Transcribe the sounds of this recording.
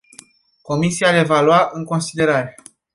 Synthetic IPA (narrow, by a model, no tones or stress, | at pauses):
ko̞misialevaluaʔɨŋko̞nsid̪e̞ɾaɾe̞